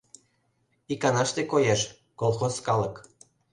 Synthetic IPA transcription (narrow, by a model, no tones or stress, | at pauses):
ikɑnɑʃt̪ekojeʃ | kolˠxoskɑlək